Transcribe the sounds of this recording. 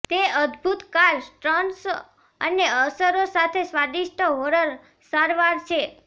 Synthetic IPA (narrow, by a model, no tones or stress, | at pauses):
t̪eəd̪bʱut̪kaɾsʈɾəns | əneəsəɾosat̪ʰesʋad̪iʃʈʰəɦoɾəɾ | saɾʋaɾt͡ʃʰe